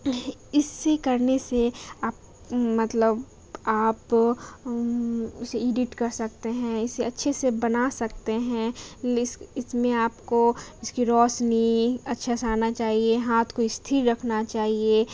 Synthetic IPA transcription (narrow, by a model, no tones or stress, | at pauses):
ɪsːekɐɾneseaːp | mɐt̪ləb | aːp | ʊseiːɖɪʈkɐɾsɐk̚t̪eɦɛ̃ɪsːeɐtːʃʰesebɐnasɐkt̪eɦɛ̃ | ɪsmẽaːpkoɪskiɾɔːsniɐtːʃʰasaːnat͡ʃaːɦieɦaːt̪ʰkoɪst̪ʰiɾɾɐkʰnat͡ʃaːɦie